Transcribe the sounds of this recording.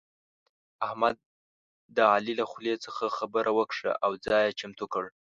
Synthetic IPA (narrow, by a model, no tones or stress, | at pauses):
ahmad̪̚ː | əɑlilaxlet͡səxaxabəɾʔawəkʂa̰ʔawd͡zɑjat͡ʃamt̪ukəɽ